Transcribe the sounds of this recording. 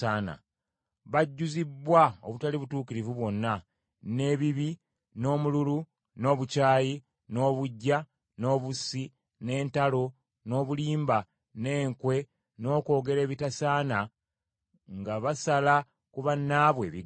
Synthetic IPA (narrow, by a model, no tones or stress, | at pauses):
aːna̰ | βaɟːuzibwaoβutaliβutuːkiɾivuβwo̞nːa | ne̞βiβi | no̞ːmululu | no̞ːβucaːji | no̞ːβuɟːa | no̞ːβusi | ne̞ːntalo̞ | no̞ːβuliːmba | ne̞ːŋkwe̞ | no̞ːko̞ːɡe̞ɾe̞ːβitasaːna | ŋɡaβasala | kuβanːaːβwe̞ːβi